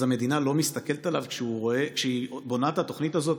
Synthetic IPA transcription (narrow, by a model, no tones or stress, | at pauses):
zame̞d̪inalo̞mist̪ake̞let̪alavkʃeuʁo̞ekʃeibo̞nat̪at̪o̞χnit̪azo̞t̪